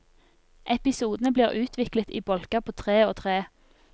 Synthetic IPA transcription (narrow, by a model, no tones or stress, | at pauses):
ʔɛpɪsuːd̪nəbliːʁʉːt̪ʰʋɪklət̪ḭːbɔlkəpʰoːt̪ʰʁeːoːt̪ʰʁeː